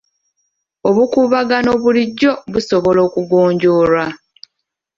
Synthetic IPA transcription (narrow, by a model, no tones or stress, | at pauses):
oβukuβaɡano̞βuliɟːo̞βuso̞βo̞lo̞ːkuɡo̞ːɲɟo̞ːɾwa